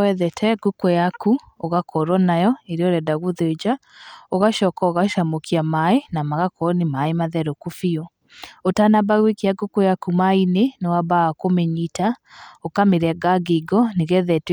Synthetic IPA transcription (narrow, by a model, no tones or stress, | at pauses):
ɛðɛtʰɛɡukɔjaku | oɣakɔɾɔnajɔeɾeɔɾɛdaɣoðed͡ʒaoɣaʃɔːkaoɣaʃamokiamaenamaɣakɔnimaemaðɛɾokofiɔ | otanabaɣwekiaɡokojakumainenewabaakomɛɲitaokameɾɛɡaɡiɡɔneɣɛðɛt